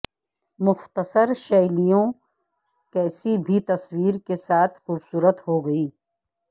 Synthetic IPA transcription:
mʊxt̪əsəɾʃɛːlijõ | kɛːsibʱit̪ɐswiːɾkesaːt̪ʰxuːbsuːɾət̪ɦoɡɐiː

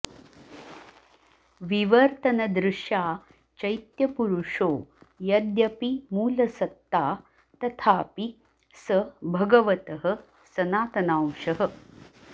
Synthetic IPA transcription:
ʋiʋɐɾt̪ɐnɐd̪ɾɪʃjaː | t͡ʃɐjt̪jɐpuɾuʂoːjɐd̪jɐpimuːlɐsɐt̪ːaː | t̪ɐt̪ʰaːpi | sɐbʱɐɡɐʋɐt̪ɐɦə̆ | sɐnaːt̪ɐnaːwʂɐɦə̆

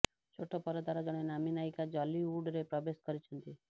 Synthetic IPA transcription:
t͡ʃʰoʈɔpɔɾɔd̪aɾɔd͡ʒɔɽ̃enaminajkad͡ʒɔliuɖɾepɾɔbeskɔɾit͡ʃʰɔnt̪i

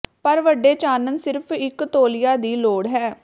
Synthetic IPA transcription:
pəɾʋəɖeːt͡ʃaːnənsɪɾpʰɪkt̪oːlɪjaːd̪iːloːɽɦɛː

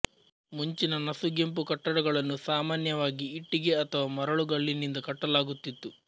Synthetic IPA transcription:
muɲt͡ʃinɐnɐsuɡe̞mpukɐʈːɐɽɐɡɐɭɐnːusaːmaːnjɐʋaːɡiːʈːiɡe̞ɐt̪ʰɐʋaːmɐɾɐɭuɡɐɭːinind̪ɐkɐʈːɐlaːɡut̪ːit̪ːu

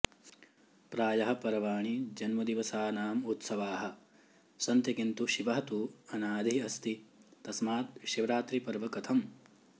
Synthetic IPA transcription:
pɾaːjɐɦɐ̆pɐɾɐʋaːɳid͡ʒɐnmɐd̪iʋɐsaːnaːmut̪sɐʋaːɦɐ̆ | sɐnt̪jɐkint̪uʃiʋɐɦɐt̪uɐnaːd̪ʱiɐst̪it̪ɐsmaːt̪̚ʃiʋɾaːt̪ɾipɐɾʋɐkɐt̪ʰɐm

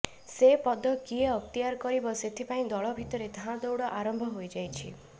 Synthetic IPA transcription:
sepɔd̪ɔkieɔkt̪ijaɾkɔɾibɔset̪ʰipaĩd̪ɔɭɔbʱit̪ɔɾed̪ʱãd̪owɽɔʔaɾɔmbʱɔɦojd͡ʒajt͡ʃʰi

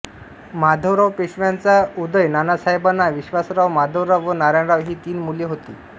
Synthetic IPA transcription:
mad̪ʱoʋɾaʋpeɕʋjant͡saud̪əjnanasaɦebanːaʋiɕʋasɾaʋmad̪ʱowɾaʋʋənaɾaɳɾaʋɦiːt̪iːnmuleɦot̪ḭː

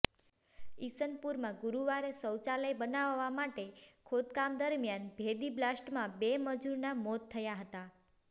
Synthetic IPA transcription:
isənpuɾmãɡuɾuʋaɾesəwt͡ʃaləjbənaʋːamaʈekʰod̪kamd̪əɾmjanbʱed̪iblasʈmãbeməd͡ʒuɾnamɔt̪ʰːəjaɦət̪a

